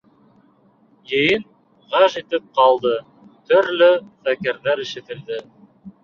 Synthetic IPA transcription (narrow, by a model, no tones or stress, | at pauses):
jɘ̆jɘn | ʁɑʒit̪ɘp̚qɑlˠd̪ɤ | t̪ɵ̆ɾlɵfækɘ̆ɾðæɾɘ̆ʃɘ̆t̪ɘ̆ld̪ɘ